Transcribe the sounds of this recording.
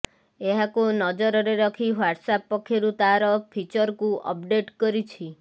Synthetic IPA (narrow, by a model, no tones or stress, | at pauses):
eɦakunɔd͡ʒɔɾɔɾeɾɔkʰiɦaʈsapːɔkʰeɾut̪aɾɔpʰit͡ʃɔɾkuʔɔ̰p̚ɖeʈkɔɾit͡ʃʰi